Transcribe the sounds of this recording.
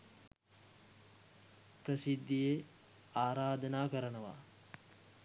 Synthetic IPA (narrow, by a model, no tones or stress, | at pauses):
pɾəsid̪ːije | aːɾaːd̪ɐnaːkəɾənəʋa̰ː